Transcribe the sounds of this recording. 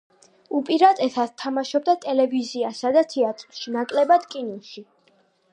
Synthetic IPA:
upʼiɾat̪ʼɛt̪ʰat̪t̪ʰamaʃɔb̚d̪at̪ʼɛlɛviziasad̪at̪ʰɛat̪ʼɾʃinakʼlɛbad̪̥kʼinɔʃi

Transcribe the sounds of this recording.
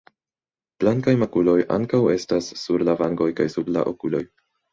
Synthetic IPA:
b̥laŋkajmakulo̞jʔa̰ŋkawe̞stasːuɾlavaŋɡo̞jkajsuɾla̰ʔokulo̞j

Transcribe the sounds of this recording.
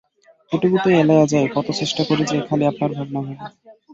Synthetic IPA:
eʈiɡut̪eelajad͡ʑaekɔt̪ot͡ɕeʃʈakoɾet͡ɕʰeekʰaliapaɾbʱabnaɦobe

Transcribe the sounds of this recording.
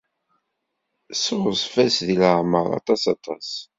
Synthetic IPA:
sʊʁəsˤfæsðiləʕməɾˤɑ̰t̪ˤɑsɑt̪ˤɑs

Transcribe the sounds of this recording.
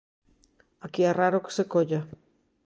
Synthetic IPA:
akiaraɾoke̥sekoʎa

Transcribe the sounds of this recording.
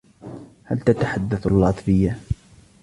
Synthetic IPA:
halt̪at̪aħad̪ːaθlːɑt̪ˤfɪjːa

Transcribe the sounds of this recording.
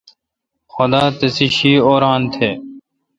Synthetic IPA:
xʊd̪aːt̪ɪsiɕiːoːɾaːnt̪ʰeː

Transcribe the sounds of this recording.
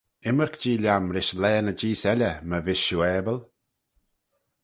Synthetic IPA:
ɪməɹkd͡ʒiːlʲjamɾɪʃlɛːnəd͡ʒiːsɛlʲəməvɪʃuɛːbəl

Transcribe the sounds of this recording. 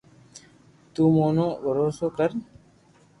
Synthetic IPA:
t̪uːmoːnoːbʱəɾoːsoːkəɾ

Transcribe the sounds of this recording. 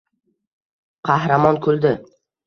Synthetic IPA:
qʰɑhɾamɒnkʰɵlˠd̪ɪ

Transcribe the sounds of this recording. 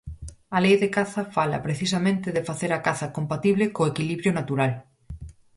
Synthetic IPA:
ɐlejðekaθafala̰pɾeθis̬amẽnt̪eðefaθeɾakaθakompat̪iβlekoekiliβɾjonat̪uɾal

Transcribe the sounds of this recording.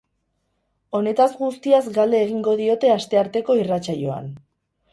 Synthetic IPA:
o̞ne̞t̪azɡust̪iazɡald̪e̞ːɣiŋɡo̞ð̞io̞t̪e̞ast̪e̞aɾt̪e̞ko̞irat͡sajo̞a̰n

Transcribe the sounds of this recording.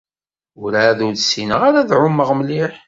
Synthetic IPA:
ʊɾaðuɾðsinəʁaɾæðʕʊmːəʁmliħ

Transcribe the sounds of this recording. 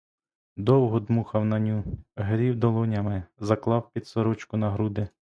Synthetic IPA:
d̪ɔwɦɔd̪muxɐwnɐnʲuɦɾʲiwd̪ɔlˠɔnʲɐmɪzɐklˠɑwpʲid̪sɔɾɔt͡ʃkʊnɐɦɾud̪ɪ

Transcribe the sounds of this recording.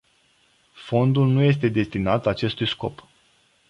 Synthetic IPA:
fo̞nd̪ulnuje̞s̬t̪e̞d̪e̞st̪inat̪at͡ʃe̞st̪ujsko̞̰p

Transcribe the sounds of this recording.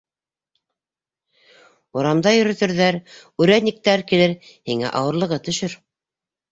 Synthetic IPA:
ŏɾɑmd̪ɑjɵ̆ɾɵ̆t̪ɘ̆ɾðæɾʉɾænik̚t̪æɾkilɘɾhiŋæ̰ʔɑ̰wɤ̆ɾlˠɤ̆ʁɤt̪ɵ̆ʃɵɾ

